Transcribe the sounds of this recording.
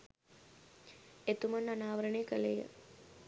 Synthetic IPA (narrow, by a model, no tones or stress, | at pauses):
et̪umanːanaːʋəɾəɳekəlejə̰